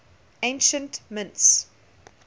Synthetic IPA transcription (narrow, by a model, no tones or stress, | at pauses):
ẽɪ̃nʃə̃ntmɪ̃nts